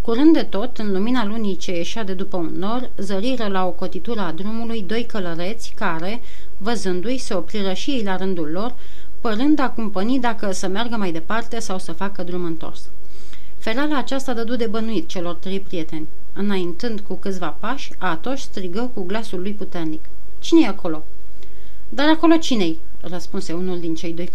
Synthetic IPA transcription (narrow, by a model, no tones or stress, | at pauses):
kuɾɨnd̪ːe̞t̪o̞t̪ɨnluminalunit͡ʃe̞je̞ʃad̪e̞d̪upəunːo̞r | zəɾiɾəlao̞ko̞t̪it̪uɾəad̪ɾumulujd̪o̞jkələɾe̞t̪sʲkaɾe̞ | vəzɨnd̪ujse̞o̞pɾiɾəʃijejlaɾɨnd̪ulːo̞r | pəɾɨnd̪akumpənid̪akəsəmerɡəmajd̪e̞part̪e̞sawsəfakəd̪ɾumɨnt̪o̞̰rs | fe̞ɾalaːt͡ʃast̪ad̪əd̪ud̪ebənuit̪̚t͡ʃe̞lo̞rt̪ɾe̞jpɾije̞t̪e̞nʲ | ɨnaint̪ɨnd̪kukɨt̪sʲvapaʃʲ | at̪o̞ʃʲst̪ɾiɡəkuɡlasulːujput̪e̞rnik | t͡ʃinejeakʰo̞lo̞ | d̪aɾako̞lo̞t͡ʃine̞j | rəspunse̞unuld̪int͡ʃe̞jd̪o̞j